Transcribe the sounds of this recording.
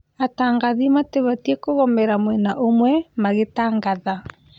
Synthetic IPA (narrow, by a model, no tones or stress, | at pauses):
ataŋɡaðimateβatiekoɣɔmɛɾamwɛnaʔomwɛmaɣetaːŋɡaða